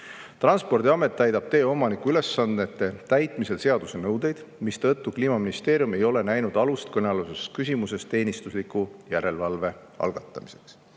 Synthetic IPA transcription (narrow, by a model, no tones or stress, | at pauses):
t̪rɑnspo̞rd̪̥iɑme̞t̪ˑːæjd̪ɑb̥̚t̪e̞ːo̞mɑnikuyle̞sːɑnet̪ːˑe̞t̪æjt̪ˑmise̞lse̞ɑd̪̥use̞nɤwd̪e̞jd̪̥ | mist̪ɤt̪ːˑukliːmɑminist̪e̞ːɾijume̞jo̞le̞næjnud̪̥ɑlust̪kɤneluseskys̬ʲimuse̞st̪e̞ːnist̪uslikujæɾe̞lvɑlve̞ | ɑ̰lɡ̥ɑt̪ˑːɑmise̞ks